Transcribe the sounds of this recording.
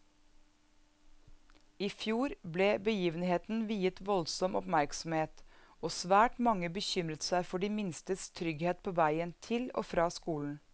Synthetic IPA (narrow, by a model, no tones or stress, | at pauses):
iːfjuːɾbleːbəjiːʋənheːt̪n̩ʋiːət̪ʋɔlsɔmʔɔpmæɾksɔmheːt̪ | oːsʋæːʈmɑŋːəbəçʏmɾət̪sæɪfɔɖiːmɪnst̪əst̪ʰɾʏɡheːt̪̚pʰoːʋæɪənt̪ʰɪlo̰ːfɾɑːskuːln̩